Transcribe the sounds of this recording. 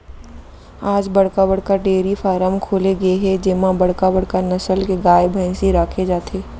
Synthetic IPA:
aːd͡ʒbɐɽkabɐɽ̤kaɖeːɾifaːɾəmkʰoːleɡɐeɦɛd͡ʒɪmãbɐɽ̤kabɐɽ̤kanɐsəlkeɡaːebʱãɪ̃siɾaːkʰed͡ʒaːt̪ʰeː

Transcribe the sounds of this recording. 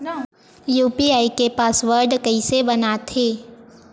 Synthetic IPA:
juːpiaːikepaːsʋəɾɖkɐisebɐnat̪ʰeː

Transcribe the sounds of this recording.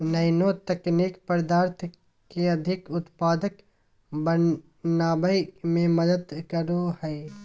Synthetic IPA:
nəjnoːt̪ɛkniːkpəɾd̪aːɾt̪ʰ | keɐd̪ʱɪkʊt̪paːd̪ək | bə | naːbəjmẽməd̪əd̪kəɾohɛː

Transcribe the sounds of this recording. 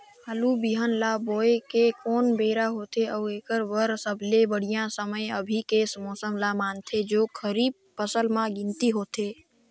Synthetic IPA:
halubiɦənlaboːekekoːnbeɾaɦot̪ʰeəueːkəɾʋəɾsəbʱlebəɽ̤ijãsəməjəbʱikesmɔːsəmlamant̪ʰed͡ʒoːkʰəɾiːb̚ | pəsəlmãɡɪnt̪iɦot̪ʰe

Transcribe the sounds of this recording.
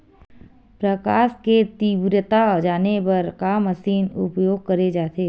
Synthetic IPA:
pɾəkaːʃket̪ibɾjət̪ad͡ʒaːnebɐɾkaməsiːnʊ̰pjoːɡ̚kɐɾed͡ʒaːt̪eː

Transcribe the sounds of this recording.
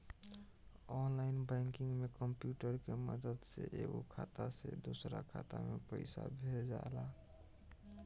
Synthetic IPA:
ɔnlaɪnbɛ̃ŋkiŋɡmekəmpjuʈəɾkeməd̪əd̪seʔeɡokʰat̪asḛd̪osɾakʰat̪amepə̰ɪsa̰bʱeld͡ʒala

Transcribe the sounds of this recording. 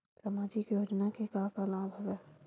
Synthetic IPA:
samaːd͡ʒikjoːd͡ʒnakekaːkalãːbʱɐɡə

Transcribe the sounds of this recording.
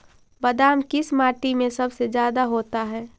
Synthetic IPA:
bɐd̪aːmkɪsmaːʈimẽsɐbsed͡ʒjaːd̪aɦoːt̪aɦɛː

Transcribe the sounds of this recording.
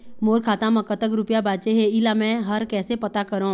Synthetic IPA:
moːɾkʰaːt̪ãmɐ̃kət̪əkɾʊpijabaːt͡ʃeɦeɪlamɛ̃ɦɐɾkɛːsepɐt̪akɐɾõ

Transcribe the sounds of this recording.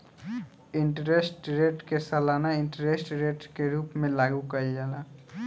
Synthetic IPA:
ɪɳʈɾesʈɾeːʈkesəlaːnaɪ̃ɳʈɾesʈɾeʈɾkeɾuːpmẽlaːɡukəiaːlaː

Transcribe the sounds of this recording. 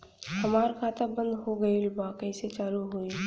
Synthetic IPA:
həmaːɾkʰaːt̪abə̃nd̪ɦoɡəilbaːkəiset͡ʃaːluɦui

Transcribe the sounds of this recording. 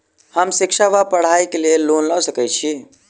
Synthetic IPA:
həmsikʃaʋapəɽ̤ajkelelonlawsəkɛt͡ʃʰi

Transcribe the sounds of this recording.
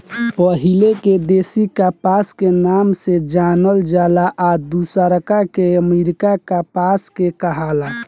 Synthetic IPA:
pəɦileked̪eːsikapaskenamsed͡ʒanəld͡ʒalaʔad̪usaɾəkakeəmiɾikakapaskekəɦala

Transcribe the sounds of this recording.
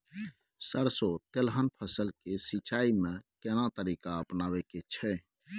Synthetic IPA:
səɾsot̪elɦənpʰəsəlkesit͡ʃaimẽkɛnat̪əɾikaəpnawɛket͡ʃʰɛ

